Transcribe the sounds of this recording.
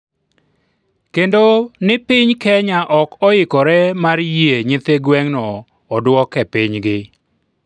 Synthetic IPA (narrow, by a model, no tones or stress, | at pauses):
kendonɪpɪɲkɛɲaʔɔkɔɪkɔɾɛmaɾjeɲɪt̪eɡwɛŋnɔː | dwɔkːɛpɪɲɡɪ